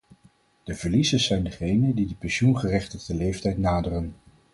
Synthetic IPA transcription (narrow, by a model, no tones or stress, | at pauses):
d̥əvəɹlizəzɛjndəχejnəndidəpɛnʃunχərɛχtəχdəlejftɛjtnaːdərən